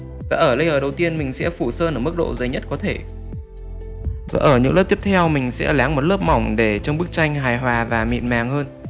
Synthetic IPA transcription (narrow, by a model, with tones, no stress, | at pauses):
vaː˨˩ʔəː˧˩lə˧jʔəː˨˩ɗə˨˩wt̪i˧ənmï˨˩ŋ̟sɛ̰˧˥fu˧˩səː˧nʔəː˧˩mɨ˦˥k̚ɗo̰˧˨zə˨˦jɲə˦˥t̚kɔ˨˦t̪ʰe˧˩ | va̰ː˨˩ʔəː˧˩ɲɨ̰˧˥ŋlə˦˥p̚ti˦˥əp̚t̪ʰɛ˧wmï˨˩ŋ̟sɛ̰˧˥laː˨˦ŋmo˨˩t̚ləː˦˥p̚ma˧˩wŋ͡mɗe˧˩t͡ɕɔ˧wŋ͡mɓɨ˦˥k̚t͡ɕa˧jŋ̟ɦaː˨˩jɦwaː˨˩vaː˨˩mḭ˧˨nmaː˨˩ŋhəː˧n